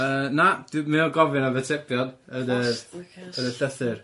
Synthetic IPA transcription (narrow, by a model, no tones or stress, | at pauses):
ənad̥mɪɔɡɔvɨnavɛtʰɛkjɔdədə | ədəɬəθɨr